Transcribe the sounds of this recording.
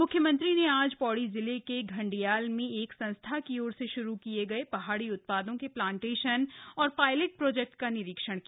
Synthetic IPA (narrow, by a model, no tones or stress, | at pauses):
mʊkʰːjəmɐ̃nt̪ɾineaːd͡ʒpɔːɽizɪlekeɡʱɐ̃ɳɖijaːlmẽeːksɐ̃nst̪ʰakioːɾseʃʊɾukijeɡɐepɐɦaːɽiʊt̪̚paːd̪õkeplãːɳʈeːʃənɔːɾpaːɪleʈ̚pɾoːd͡ʒɛːk̚ʈkanɪɾikʃəɽ̃kia